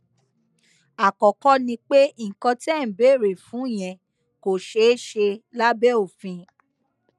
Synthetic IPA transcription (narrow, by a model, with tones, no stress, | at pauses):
a˨kɔ˨kɔ˦nĩ˧k͡pe˦˨kɔ̃˧tɛ˦˨be˨˦˨ɾe˨fũ˨˦˨j̃ɛ̃˨ | ko˨ʃe˨˦ʃe˧la˦bɛ˦o˦˨fĩ˧